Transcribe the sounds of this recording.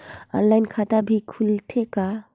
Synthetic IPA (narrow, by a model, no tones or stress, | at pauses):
ɔ̰nlajnkʰat̪abʱikʰult̪ʰɛka